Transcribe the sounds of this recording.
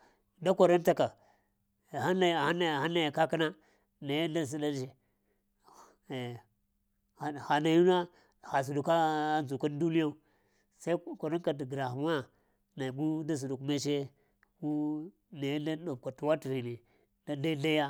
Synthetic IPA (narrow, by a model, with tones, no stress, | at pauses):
da˦kʷo˨ɾa˦nta˨ka˨ | a˦na˨ha˦na˨ha˦na˨ja˨ka˦ka˦na˦ | na˨ja˦da˦s̬i˦da˦d͡ʒe˨ | xa˨na˨ju˦na˦ | xa˨s̬u˨du˨ka˦nzu˨ka˦n˦du˦ni˦a˦u˦ | sa˦i˦ko˨ɾa˦nka˨dɡɾa˨xma˦ | na˨ɡu˦da˦s̬u˨du˨kme˦ʃ̬e˦ | wu˦ | na˨ja˦da˦ɗo˨b̚ka˨tu˨wa˦ti˨hi˨ni˨ | da˦da˦da˦ja˦